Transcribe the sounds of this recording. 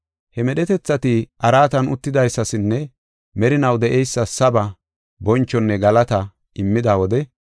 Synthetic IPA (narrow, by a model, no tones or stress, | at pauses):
hɛmɛɗɛt̪ɛt͡sːɐt̪ɪʔɐɾaːt̪ɐnʊt̪ːɪd̪ɐjsːɐsɪnːɛ | mɛɾɪnɐwd̪ɛʔɛjsːɐsɐbɐ | bɔnt͡ʃːɔnːɛɡɐlɐt̪ɐ | ʔɪmːɪd̪aːwɔd̪ɛ